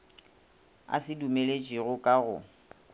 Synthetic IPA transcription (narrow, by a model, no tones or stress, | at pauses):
a̰sɪdumelet͡ʃʼiɣʊkʼaɣʊ̰